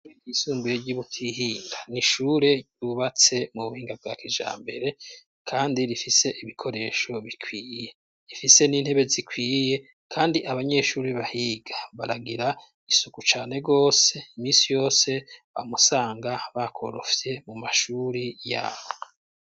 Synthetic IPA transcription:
iisuːmbujeɟuβutʰiɦiːŋɡaniʃuɾe̞ɟuβat͡se̞muβuhiːŋɡab̚ɡaːkiʒa̰ːmbe̞ɾe̞ | kʰaːndiɾifise̞ʔiβikʰo̞ɾe̞ːʃo̞βikʰwiːje̞ | ɾifise̞niːn̥he̞βe̞zikwiːje̞ | kʰaːndiʔaβaɲe̞ʃuːɾiβahiːɡaβa̰ɾaɡiɾa | isukut͡ʃaːne̞ɡo̞ːse̞imiːnsijo̞ːse̞βa̰musaːŋɡaβakʰo̞̰ɾo̞̰fje̞mumaʃuːɾija̰βo

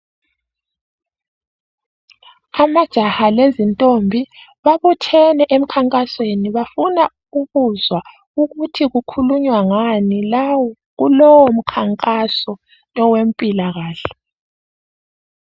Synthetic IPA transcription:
amad̥ʒ̥ʱahalezintʼombʱiβaβutʰɛnɛʔem̩kʰaŋkʼasweniβafuna | uɣuzwa | uɣutʰiɣukʰuluɲwaŋanilawɔ | ɣulɔwɔm̩kʰaŋkʼasɔ | nɔwempʼilaɣaːɬɛ̥

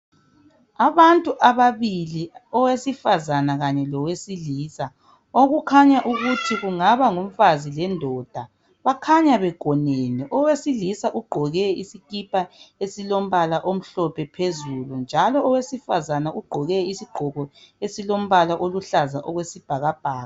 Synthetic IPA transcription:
aβantʼuʔaβaβiliɔwesifazanaɣaɲɛlɔwesiliːsa | oɣukʰaɲaʔuɣutʰiɣuŋaβaŋuɱ̩fazilɛndʱɔd̥ʱa | βakʰaɲaβɛɡ̥ʱɔnenɛʔɔwesilisaʔuɡ͡ǃʱɔɣɛisikipʰaesilom̩βalaʔom̩ɬɔpʰɛpʰezulund͡ʒʱalɔːwesifazanaʔuɡ͡ǃʱɔɣɛisiɡ͡ǃʱɔɣɔesilom̩βalaʔoluɬazaʔɔɣwesib̥ʱaɣab̥̚ʱaːɣa

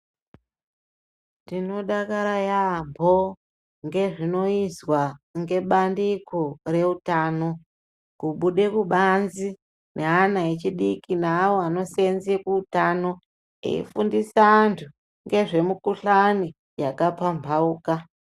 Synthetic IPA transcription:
tino̞ɗakaɾajambʱo̞ | ŋɡe̞ʐino̞izwaŋɡe̞ɓandikore̞utaːno̞ | kuɓuɗe̞kuɓanzi | nʔeanaet͡ʃiɗikinaːwoano̞senzekuutaːno̞ | ḛḭfundisaːntʰu | ŋɡe̞ʐe̞mukuɬani | jakapambʱauːka

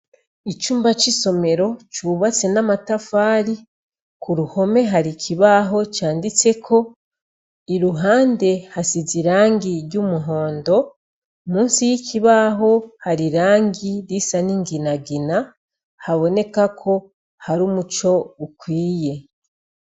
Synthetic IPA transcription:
it͡ʃuːmbat͡ʃiso̞me̞ɾo̞t͡ʃuːβat͡se̞namatafaːɾi | kuɾuho̞me̞ɦaɾicʰiβaɦo̞t͡ʃaːndit͡se̞kʰo̞ | iɾuɦaːnde̞hasiziɾaːŋɡiɾɟumuɦo̞ːndo̞ | muːnsijicʰiβaɦo̞haɾiɾaːŋɡiɾisaniŋɡinaɡina | haβo̞ne̞kakʰo̞ | haɾumut͡ʃo̞βukwiːje̞

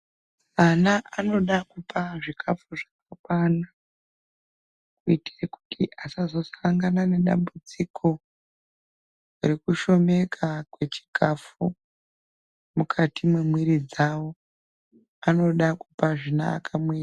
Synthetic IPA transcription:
anaʔano̞ɗakupaʐikʰafuʐakakana | kuitireku̥tʰḭʔasazo̞saŋɡanane̞ɗa̰mbud͡zikʰo̞ | urikuʃo̞me̞kʰakwe̞t͡ʃi̥kʰafu | mukʰatimwemwiɾid͡zawo̞ | ano̞ɗakupaʐina̰ːkʰamwiːr

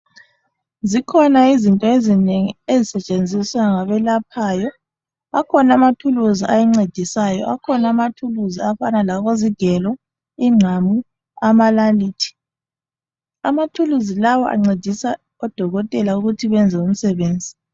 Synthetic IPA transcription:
zikʰɔnaizintʼɔezineŋiezisɛt͡ʃʼend͡zʱiswaŋaβɛlapʰaːjɔ | akʰɔnamatʰuluziʔajɛŋ͡ǀed̥ʱisajɔ̰ʔakʰɔnamatʰuluziafanalaɣoziɡ̥ʱɛlɔ | iŋ͡ǀʱamu | amalaliːtʰi̥ | amatʰuluzilawɔʔa̰ŋ͡ǀed̥ʱisa | ɔd̥ʱɔɣɔtʼɛlauɣutʰiβɛnd͡zʱɛum̩sɛβeːnd͡zʱi

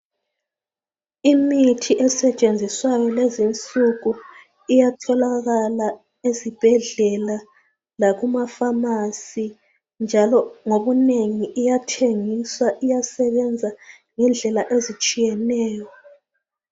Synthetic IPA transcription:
imitʰiʔɛsɛt͡ʃʼend͡zʱiswajɔlezint͡sʼuɣu | ijatʰɔlaɣala | ezib̥ʱɛɮɛla | laɣumafamasi | nd͡ʒʱalɔŋoβuneŋiʔːjatʰeŋiswaʔijasɛβɛnd͡zʱa | ŋɛnd͡ɮʱɛlaʔezit͡ʃʼijɛnɛːjɔ

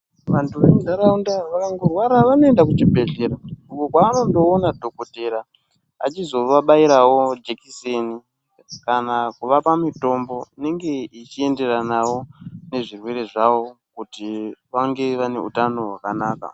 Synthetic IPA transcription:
ʋantʰuʋemudaɾaundaʋakaŋɡorwaɾaʋanoendak̬ut͡ʃibʱe̞ɮe̞ɾaukokwaːno̞ndo̞ːnadʱo̞kote̞ɾa | a̰t͡ʃizo̞ʋaɓaiɾawo̞d͡ʒekiseni | kanakuʋapamito̞mbo̞ine̞ŋɡe̞it͡ʃie̞nde̞ɾanawo̞ne̞ʐirwe̞ɾe̞ʐawo̞kutiʋaŋɡe̞ʋane̞̰ṵtano̞ɦwakanaːka̰

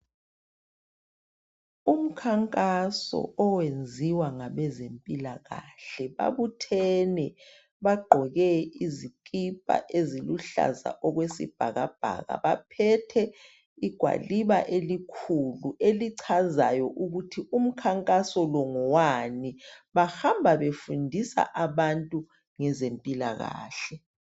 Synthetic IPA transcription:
um̩kʰaŋkʼasɔ̰ɔwend͡zʱiwaŋaβɛzempʼilaɣaɬɛβa̰βutʰɛnɛ | βaɡ͡ǃʱɔɣɛizikʼipʼa̰ʔeziluɬa̰za̰ʔɔɣwesḭb̥ʱaɣa̰b̥ʱa̰ɣa̰βapʰɛtʰɛ | iɡ̥ʱwa̰liβaʔelikʰuluʔeliǀʰazajɔʔuɣutʰium̩kʰaŋkʼasɔlɔŋɔwaniβaxambʱaβefundʱisa̰ʔaβantʼu | ŋɛzempʼila̰ɣa̰ːɬɛ

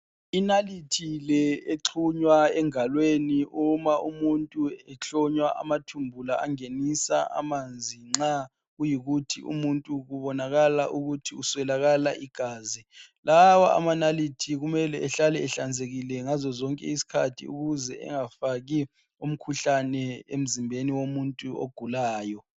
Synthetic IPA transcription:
inalitʰilɛeǁʰuɲwaɛŋalweniumaʔumuntʼuɛt͡ɬɔɲwaʔa̰matʰumbʱulaaŋenisa̰ʔa̰mand͡zʱiŋ͡ǁa | ɣujiɣutʰḭʔṵmuntʼuɣuβɔnaɣala̰ʔuɣutʰiuswɛlaɣalaʔiɡ̥ʱaːzilawaa̰manalitʰiɣumɛlɛʔɛɬalɛɛɬand͡zʱeɣilɛŋazɔzɔŋkʼɛ̰isi̥kʰatʰḭṵɣuzɛʔɛ̰ŋafaɣi | um̩kʰuɬanɛem̩zimbʱeniwomuntʼuo̰ɡ̥ʱulaːjɔ

